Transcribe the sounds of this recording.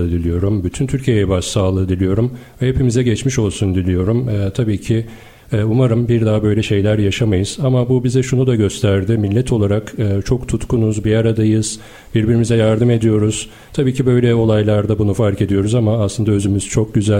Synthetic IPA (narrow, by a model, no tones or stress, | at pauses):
ɯd̪ilʲijo̞ɾumbyt̪ʰynt̪ʰyɾcʰijejɛbaʃsaːlˠɯːd̪ilʲijo̞ɾumvɛhe̞pimizɛɟɛt͡ʃmiʃo̞lˠsund̪ilʲijo̞ɾumɛːt̪ʰabiːcʰɪ | ɛːumaɾɯmbiɾd̪aɦabø̞jlʲɛʃe̞jlʲæɾjaʃamajɯz̥amabubizɛʃunud̪aɟø̞st̪ʰæɾd̪ɪmilʲːɛt̪ʰo̞lˠaɾakɯːt͡ʃʰokt̪ʰut̪kunuzbiaɾad̪ajɯz̥ | biɾbiɾimizɛjaɾd̪ɯme̞d̪ijo̞ɾuz̥ | t̪ʰabiːcʰibø̞jlʲɛo̞lˠajlˠaɾd̪abunufaɾke̞d̪ijo̞ɾuzamaːslˠɯnd̪aø̞zymyz̥t͡ʃʰo̞k̚ɟyzæ